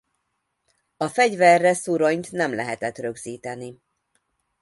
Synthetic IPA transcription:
ɒfɛɟvɛrːɛsuɾoɲt̪nɛmlɛɦɛt̪ɛt̪rø̞ɡziːt̪ɛni

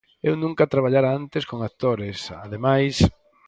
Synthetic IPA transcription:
ewnũŋkat̪ɾaβ̞aʎaɾaant̪ɪskoŋat̪oɾɪsa̰ðemajs

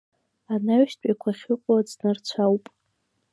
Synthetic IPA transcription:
anaɥʃtʼakʷʰaχʲɨqʷʼad͡znɨrt͡ɕʷʰawpʼ

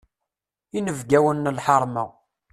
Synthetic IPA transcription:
inəvɡæwənːəlħɑɾˤmə

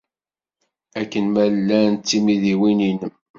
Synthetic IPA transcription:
ækːənmællːænt̪ːimiðiwininəm

